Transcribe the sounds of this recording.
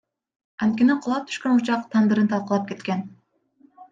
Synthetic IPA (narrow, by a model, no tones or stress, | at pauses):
ɑnt̪̚kʲe̞niqʰulˠɑp̚t̪ʰy̥ʃkønut͡ʃɑqt̪ʰɑnd̪ɯɾɯnt̪ʰɑlˠqɑlˠɑp̚ke̞t̪kʲe̞n